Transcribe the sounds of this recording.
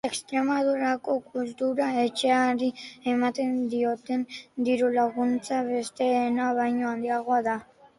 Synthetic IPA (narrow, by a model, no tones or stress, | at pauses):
e̞kst̪ɾe̞mað̞uɾako̞kult̪uɾae̞t͡ʃe̞aɾie̞mat̪e̞nd̪io̞t̪e̞nd̪iɾulaɣunt͡saβe̞st̪e̞ːnaβajɲo̞and̪iaɣ̞o̞aða